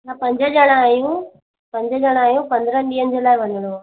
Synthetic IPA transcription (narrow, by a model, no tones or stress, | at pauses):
lapɐɲd͡ʒɐd͡ʒɐnaːjũ | pɐɲd͡ʒɐd͡ʒɐnaːjũpɐnd̪ɯɾɐɳɖiɐɲd͡ʒɐlaːjʋɐnɐɽũ